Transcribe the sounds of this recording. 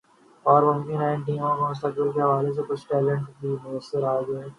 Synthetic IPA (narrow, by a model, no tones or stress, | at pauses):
ɔːɾmʊ̃mkɪnaːɪnʈ̬iːmõkomʊs̬t̪ək̚bɪlk̬eɦɐʋaːles̬ekʊt͡ʃʰʈɛːlə̃ɳʈbʱimʊəsːɪɾaːɡae